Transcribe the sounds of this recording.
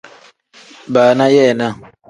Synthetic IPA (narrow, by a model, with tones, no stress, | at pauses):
baː˨na˦jɛ˦˨na˦